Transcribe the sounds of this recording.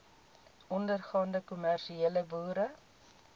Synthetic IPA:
ɔndərχɑːndəkumærʃieːləbuːɾə

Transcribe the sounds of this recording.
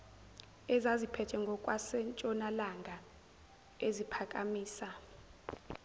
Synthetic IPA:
ɛzazipʰɛtʰɛŋɡʱɔkʼwasɛnt͡ʃʼɔnalaŋɡʱa | ezipʰakʼamiːsa

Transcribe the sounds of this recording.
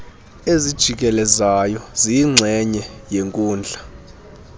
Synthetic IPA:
ezid̥ʒ̥ʱik̬ʼɛlɛzajɔziːŋ͡ǀʱɛɲɛjeŋkʼuːnd͡ɮʱa

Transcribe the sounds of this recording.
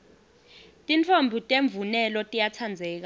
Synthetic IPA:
tʼint͡fʰombʱutʼeɱb̪vunɛlɔtʼijat͡sʰand͡zʱɛːk̬a

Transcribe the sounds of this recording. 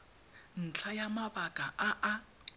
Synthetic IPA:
n̩t͡ɬʰajamabakʼaʔaʔa

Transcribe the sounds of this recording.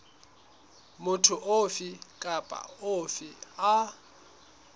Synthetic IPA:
mʊtʰʊʔofɪkʼapʼa̰ofɪa

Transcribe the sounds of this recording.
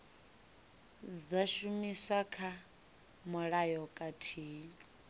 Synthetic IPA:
d͡zaʃumiswakʰa | mɔɺajɔkʼatʰiːni

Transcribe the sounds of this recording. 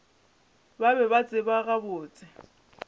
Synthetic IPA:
babɛβat͡sʼɪbaɣabʊːt͡sʼɪ

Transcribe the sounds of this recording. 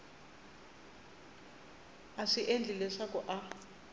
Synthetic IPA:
aʂiʔend͡ɮʱilɛʂakʼɔʔa

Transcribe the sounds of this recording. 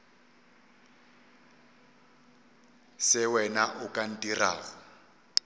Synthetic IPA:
sɪwɛnaʔʊkʼan̩tʼira̰ːɣɔ

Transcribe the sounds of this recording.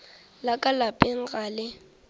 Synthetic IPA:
lakʼalapʼɪŋ̩ɣaːlɪ

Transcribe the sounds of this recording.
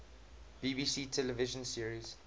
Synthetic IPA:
b̥iːbiːsiːtʰɛlɛvɪʒə̃nsiəɹiz̥

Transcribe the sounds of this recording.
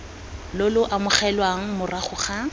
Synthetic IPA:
lʊlʊʔamʊχɛlwaŋ̩mʊraχʊχa

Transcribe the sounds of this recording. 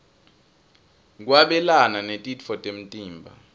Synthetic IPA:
k̬waɓɛlananetʼitfɔtʼem̩tʼiːmbʱa̰

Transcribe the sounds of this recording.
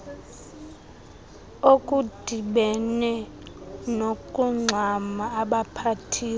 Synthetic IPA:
okʼud̥ʱiɓɛnɛ | nokʼuŋ͡ǀʱamaːɓapʰatʰiː

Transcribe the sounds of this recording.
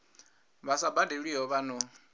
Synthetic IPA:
βasabadeɺiɦɔβanɔ

